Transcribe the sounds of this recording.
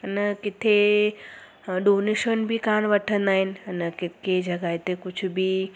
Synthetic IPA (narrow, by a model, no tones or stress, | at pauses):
ɐnəkɪt̪ʰe | ɖoːneʃənbʱikãːñʋəʈʰənd̪aːɦɪn̆ɐnəkɪt̪ked͡ʒɐɡaːjt̪ekʊt͡ʃʰbʱi